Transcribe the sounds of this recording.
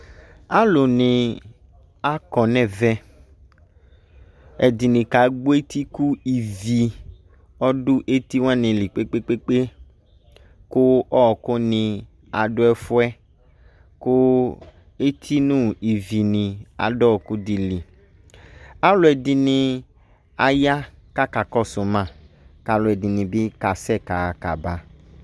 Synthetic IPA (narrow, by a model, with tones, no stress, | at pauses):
a˦lo˨nĩ˨ | a˦kɔ˨nɛ̃˦˨vɛ˦ | ɛ˨di˨nĩ˨ka˨˦ɡ͡bo˦e˦t̪i˦ku˦i˨vi˨ | ɔ˦ɖʊ˦ʔe˦t̪i˦wã˦nĩ˨li˨k͡pe˦k͡pe˦k͡pe˦k͡pe˦ | ko˦ɔ˦˨ko˦nĩ˨ | a˨dʊ˦ɛ˦fʊ˦ɛ˦ | kʊ˦ | e˦t̪ʰi˦nũ˦i˨vi˨nĩ˨a̰˨dɔ˦˨ku˦di˨li˨ | a˦lʊ˨˦ɛ˨di˨nĩ˧ | a˨ja˦ka˦ka˨kɔ˦sʊ˨mã˦˨ | ka˨lʊ˨ɛ˨di˨nĩ˨bɪ˦ka˨sɛ˦˨ka˨a˨ka˨ba˦